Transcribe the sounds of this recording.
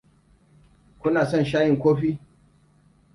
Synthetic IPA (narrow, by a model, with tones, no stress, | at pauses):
kʷʊ˦naː˨sɔ˦nʃaː˦jɪ˨ŋkʷoː˦ɸiː˦